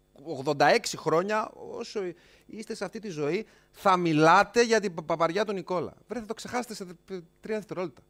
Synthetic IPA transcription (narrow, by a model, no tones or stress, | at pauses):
oɣðo̞nd̪ɐe̞ksixɾo̞ɲɐo̞̰so | ist̪e̞seɐft̪it̪izo̞i | θɐmilɐt̪e̞ʝɐt̪ipɐpɐɾʝɐt̪uniko̞lɐ̰vɾeθɐt̪o̞kse̞xɐset̪eset̪ɾiɐðest̪eɾo̞t̪it̪ɐ